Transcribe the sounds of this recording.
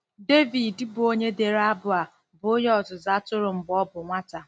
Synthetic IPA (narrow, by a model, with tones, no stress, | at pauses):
de˦vi˨dɪ˦bʊ˨o˦ɲe˦de˨ɾa˦bʊ˦a˨ | bʊ˨˦jɔ˨zʊ˨za˦tʊ˦ɾʊ˨m̩˨bɔ˦bʊ˨ŋʷa˦ta˨